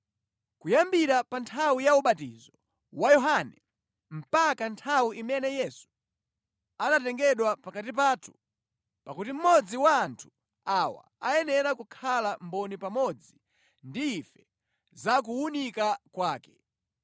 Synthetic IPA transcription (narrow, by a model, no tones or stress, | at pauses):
kujambiɾapantʰawijauɓatḭzɔ | wajɔɦanɛ | m̩pakantʰawiʔimɛnɛjɛsu̥ | anatɛŋɡɛɗwapakat̬ip̬aːtʰu̥ | pakutim̩mɔd͡ziwaːntʰu̥ | awa̰ajɛnɛɾakukʰalambɔnipamɔd͡zi | ndiːfɛ | zak̬uːnikakwaːkɛ̥